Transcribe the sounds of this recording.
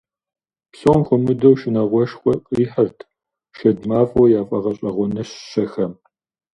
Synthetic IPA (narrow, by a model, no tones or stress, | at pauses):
pɬomxʷʊmɨdɐwʃɪnɐʁʷɔʃxʷɔqʼiːħɐrtʰ | ʃɐdmaːfʼɔjaːfʼɐʁɐɕʼɐʁʷɔnɐɕɕɐxɐm